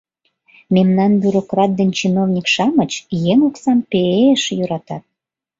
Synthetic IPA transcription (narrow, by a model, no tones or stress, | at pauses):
memnɑnbʲyɾokrɑt̪̚d̪ent͡ɕinovnʲikʃɑmət͡ɕjeŋoksɑmpeeəʃjøɾɑt̪ɑt̪̚